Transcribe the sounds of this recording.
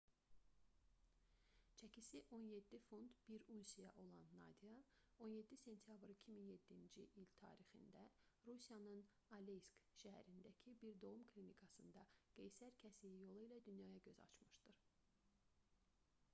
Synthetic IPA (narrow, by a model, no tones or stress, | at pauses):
t͡ʃʰæcʰisiʔo̞nje̞d̪ːifo̞nd̪b̥iɾunsijɑʔo̞lˠɑnːɑ̰d̪ijɑo̞nje̞d̪ːise̞nt̪ʰjɑbɾicʰiminje̞d̪ːind͡ʒiʔilt̪ʰɑ̰ːɾixḭnd̪æɾusijɑnɯn | ɑlejskʃæɦæ̰ɾind̪æcʰibiɾd̪o̞umkʰlʲinikʰɑsɯnd̪ɑɡ̥ejsæɾcʰæsiijo̞lˠɯilæd̪ynjɑːjɑɟø̞zɑ̰t͡ʃʰmɯʃd̪ɯɾ̥